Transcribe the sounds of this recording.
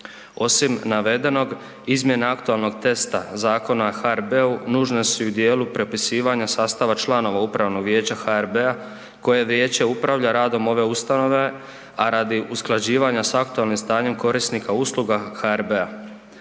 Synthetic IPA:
o̞simnaʋe̞d̪e̞no̞ɡ | izmje̞naakt̪ualˠno̞ɡt̪e̞st̪azaːko̞naxaeɾbe̞unuːʒnesuud̪je̞ːlupɾepisiːʋaɲasaːst̪aʋat͡ʃlˠano̞ʋaupɾaʋno̞ɡʋje̞ːt͡ɕaxaeɾbea | ko̞je̞ʋje̞ːt͡ɕeupɾaʋʎaɾaːd̪o̞mo̞ʋe̞ust̪ano̞ʋe̞ | aɾad̪iʔusklˠad͡ʑiːʋaɲasakt̪ualnimst̪aːɲe̞mko̞ɾisnikauslˠuɡaxaeɾbe̞a

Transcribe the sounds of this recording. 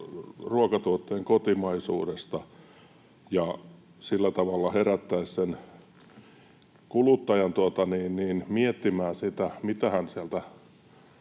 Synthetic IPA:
ruokɑt̪uot̪ːeːŋkot̪imɑisṵːdest̪ɑ | jɑ | silːæt̪ɑʋɑlːɑheræt̪ːæissen | kulut̪ːɑjɑnt̪uot̪ɑniːnniːnmiet̪ːimæːsit̪æmit̪æhænsiælt̪æ

